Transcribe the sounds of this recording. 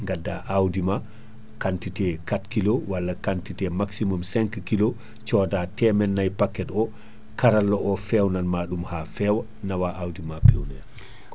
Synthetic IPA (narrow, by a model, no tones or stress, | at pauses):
ŋɡadːaʔawdima | kantitɛkatkilowalːakantitɛmaksimumsɛŋkkilo | t͡ʃɔːdatɛmɛnːajpakːɛtɔ | kaɾalːɔʔɔfɛwnanmaːɗumhafɛwa | nawaʔawdimapɛwnɛ